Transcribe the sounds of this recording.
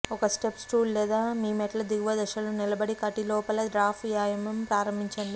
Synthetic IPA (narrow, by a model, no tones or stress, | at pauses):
ɔkɐsʈepsʈuːlːɛːd̪aːmiːmɛʈɐlɐd̪iɡʋɐd̪ɐʃɐlunilɐbɐɽikɐʈilɔːpɐlɐdɾaːfʰjaːjɐmɐmpɾaːɾɐmbiɲt͡ʃɐɳd̪i